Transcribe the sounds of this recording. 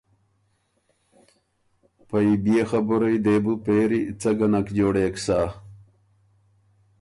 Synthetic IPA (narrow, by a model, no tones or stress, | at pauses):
pɐibijexɐbuɾɐjd̪eːbupeːɾiit͡sɐɡɐnɐkd͡ʑoːɽeksaː